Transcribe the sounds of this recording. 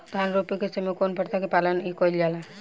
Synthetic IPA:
d̪ʱanɾopiket͡ʃemekonpəɽt̪akipalənikojld͡ʒala

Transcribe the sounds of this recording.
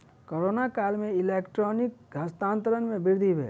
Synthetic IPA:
koɾoːnakaːlmẽɪleːkʈɾɔːnɪk̚ɡəst̪ãːnt̪əɾənmẽbɪɾd̪ʱibʱɛ̰ː

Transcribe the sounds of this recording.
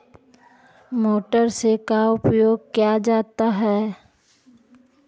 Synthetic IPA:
moːʈəɾsekaʊpjoːɡ̚kijad͡ʒaːt̪aɦɛː

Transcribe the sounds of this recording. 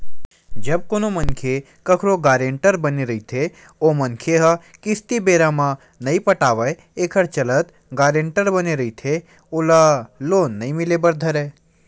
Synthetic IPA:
d͡ʒəb̚konomənkʰe | kəkʰɾoɡaɾeɳʈəɾbəneɾəɦit̪ʰe | omənkʰeɦəkɪst̪ibeɾamã | nəĩpəʈaʋə | ekʰəɾt͡ʃələt̪ | ɡaɾeɳʈəɾbəneɾəɦit̪ʰe | olalonːəĩmilebəɾd̪ʱəɾe

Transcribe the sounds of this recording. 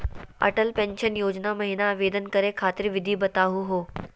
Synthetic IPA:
ɐ̰ʈəlpɛ̃nʃənjoːd͡ʑnamɐɦinaːʋeːd̪ənkəɾekʰaːt̪ɪɾʋɪd̪ʱiːbət̪aːɦuɦoː

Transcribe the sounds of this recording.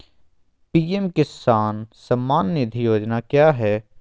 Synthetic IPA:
piːemkɪsaːnsɐmːaːnːɪd̪ʱijoːd͡ʒnakjaːɦɛː

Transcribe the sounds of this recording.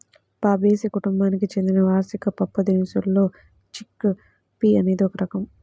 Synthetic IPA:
paːbeːsikuʈumbaːnikit͡ʃe̞nd̪inɐʋaːɾsikɐpɐpːɐd̪eːmsulːo̞ː | t͡ʃikː | piːɐne̞ːd̪iɔkɐɾɐkɐm

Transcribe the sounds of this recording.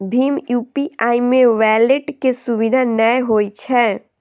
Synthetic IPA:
bʱiːmjuːpiaːimẽʋɛːleʈkesʊʋid̪ʱanəɦoːit͡ʃʰɛ

